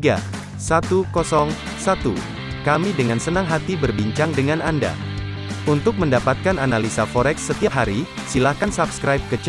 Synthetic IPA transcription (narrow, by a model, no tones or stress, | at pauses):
ɡa̰ | sat̪ukɔsɔŋ | sat̪ṵ | kamidəŋansənaŋɦat̪ibərbiɲt͡ʃaŋdəŋananda̰ | unt̪ʊk̚məndapat̪̚kananalisafɔɾɛksːət̪iap̚ɦaɾi | silahkansapskɾajp̚kət͡ʃ